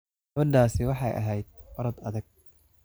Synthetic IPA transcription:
ɡ̥ɐβɐɖaːsɪwɑħɑjʔɐ̰ɦɛjd̪̚wɐɾɐd̪ɐðɐɡ̚

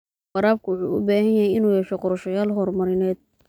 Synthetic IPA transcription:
wɑɾaːb̚kʰʊwʊħṵːʊ̰baːhɐnjɐɦɛjɪnuːjɛʃɔqɔɾɐʃɔjaːlɦɔrmɐɾɪnɛːd̪̥̚

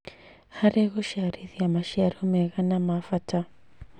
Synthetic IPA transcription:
haɾeɣoʃaɾiðiamaʃiaɾomɛɣanamafata

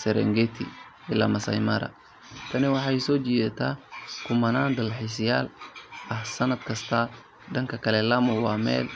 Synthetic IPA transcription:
sɛɾɛ̰ŋɡɛt̪ʰḭ | ɪlamɐsɐ̰jmɐɾɐ̰ | t̪ʰɐnɛwɑħɑisɔːd͡ʒidɐt̪ʰakʊmɐnand̪ɐlħisɪjaːlɐhsɐnɐd̪kʰɐst̪ʰɐ | dɐŋkʰɐkʰɐlɛlɐmʊwaːmɛ̰ːl

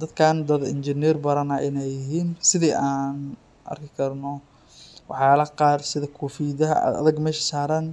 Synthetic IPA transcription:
d̪ɐd̪kʰaːnd̪ɐðɪnd͡ʒɪnɛːrbɐɾɐnɐʔɪnɛjːɪɦiːnsɪðiːʔaːn | ʔɐ̰rkʰɪkʰɐrnɔ | wɑħjaːlɐqɑːrsɪðɐkʰuːfiːðɐɦɐ̰ɐ̰ðɐɡmɛːʃɐ̥saːɾɐn

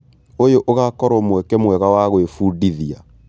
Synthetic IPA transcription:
ojoʔoɣakɔɾomwɛkɛmwɛɣawaɣoefudiðia

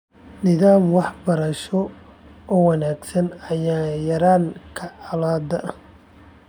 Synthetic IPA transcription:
nɪðaːmwɑħbɐɾɐʃɔ | ɔːwɑnaːɡsɐnɐjaːjɐɾaːŋkʰɐʕɑlaːd̪ɐ

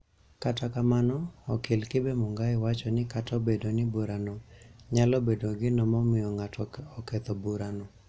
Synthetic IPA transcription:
katakamanɔːkɪlkɪbemʊŋɡaɪwat͡ʃɔnɪkatɔbedonɪbuɾanoɲalɔbedoɡɪnɔmɔmɪjɔŋatʰɔɔket̪ɔbuɾano

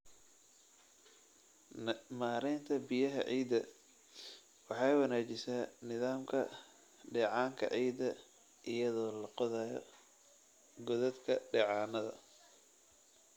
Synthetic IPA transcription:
maːɾɛnt̪ʰɐbɪjɐɦɐ̰ʕiːd̪ɐ | wɑħɑːjwɑnaːt͡ʃɪsaːnɪðaːmkʰɐ | ɖɛːʕɑːŋkʰɐ̰ʕiːd̪ɐ | ʔɪjɐðɔːlɐqɔðaːjɔ̰ | ɡɔðɐd̪kʰɐɖɛːʕɑːnɐðɐ̰

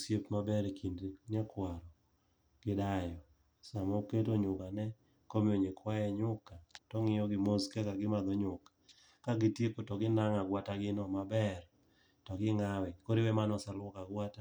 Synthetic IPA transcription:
sjepmabɛɾkʰindɾiɲakwaɾɔ | ɡ̥ɪdajɔ | samoketoɲʊkanɛ | komɪoɲekwajɛɲʊkatɔŋɪjɔɡɪmoskɛkaɡɪmad̪oɲʊkḁ | kaɡɪtjekotɔɡɪnaŋaɡwataɡɪnɔmabɛr | tɔɡɪŋawɛkoɾiwɛmanɔsalwɔkaɡwata

